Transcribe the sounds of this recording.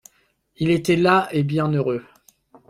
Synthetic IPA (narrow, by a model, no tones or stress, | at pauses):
ilet̪ɛlaebjɛ̃nøʁø